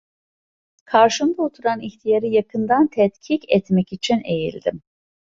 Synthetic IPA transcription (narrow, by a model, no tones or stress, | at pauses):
kʰaɾʃɯnd̪aot̪ʰuɾaniçt̪ʰijaɾɯjakʰɯnd̪ant̪ʰɛt̪cʰicɛt̪mɛcit͡ʃʰine̞jḭlʲd̪im